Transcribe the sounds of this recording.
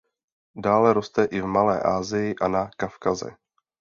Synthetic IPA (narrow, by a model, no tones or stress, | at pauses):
daːlɛɾost̪ɛʔɪvmalɛ̰ːʔaːzɪjɪʔanakafkazɛ̰